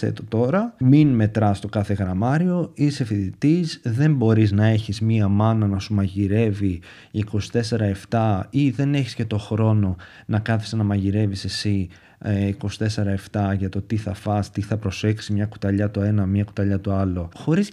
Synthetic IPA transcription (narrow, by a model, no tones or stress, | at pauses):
ḛt̪ot̪o̞ɾɐminme̞t̪ɾɐst̪o̞kɐθe̞ɣɾɐmɐɾio̞ise̞fiðit̪izðe̞mbo̞ɾiznɐe̞çizmiɐmɐnɐnɐsumɐʝiɾe̞vi | iko̞si̥t̪e̞se̞ɾɐe̞ft̪ɐiðe̞ne̞çi̥sce̞t̪o̞xɾo̞no̞ | nɐkɐθi̥senɐmɐʝiɾe̞vise̞si | iko̞si̥t̪e̞se̞ɾɐe̞ft̪ɐʝɐt̪o̞t̪iθɐfɐst̪iθɐpɾo̞se̞ksimɲɐku̥t̪ɐʎɐt̪oe̞nɐmɲɐku̥t̪ɐʎɐt̪oɐlo̞xo̞ɾis